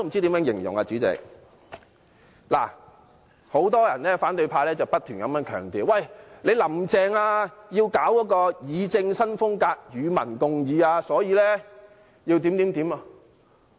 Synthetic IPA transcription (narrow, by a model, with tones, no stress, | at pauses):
o˥m̩˨˩t͡siː˥t̪iː˨˥mjœː˨˧˥ŋjɪ˨˩ŋjʊ̰˨˩ŋa˧t͡syː˨˥t͡sɛ̰ː˨˧k̚ | la̰ː˨˩ | ho˨˥wt̪ɔː˥jɐ̰˨˩nɛː˥faː˨˥nt̪ɵ˧ɥpʰaː˧lɛː˥t͡sɐ˨wpɐ˥t̚t̪ʰyː˨˩nkɐ˨˥mjœː˨˥nkʰœ̰ː˨˩ŋt̪iː˨˩wwɐ˨˩jle˨˧jlɐ˨˩mt͡sɛː˨˩ŋaː˧jiː˧wkaː˨˥wkɔː˨˥kɔː˧jiː˨˧t͡sɪ˧ŋsɐ˥nfʊ˥ŋkaː˧k̚jyː˨˧mɐ̰˨˩nkʊ˧ŋjiː˨˧aː˧sɔː˨˥jiː˧lɛː˥ | ji˧wt̪iː˨˥mt̪iː˨˥mt̪iː˨˥ma˧